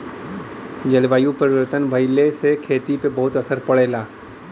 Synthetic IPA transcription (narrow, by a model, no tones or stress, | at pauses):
d͡ʒɐlʋaːjũpəɾɪwət̪ənbʱɐɪlesekʰeːt̪ipebɐɦʊt̪ɐsəɾpɐɽeːlaː